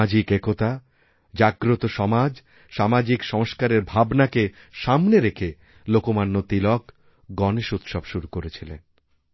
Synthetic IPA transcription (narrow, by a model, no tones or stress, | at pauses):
ad͡ʑikekot̪a | d͡ʑaɡɾot̪oʃɔmad͡ʑ | ʃamad͡ʑikʃɔŋʃkaɾeɾbʱabnake | ʃamneɾekʰe | lokomanːot̪ilɔk | ɡɔneʃut̪ʃɔbʃuɾukoɾet͡ɕʰilḛn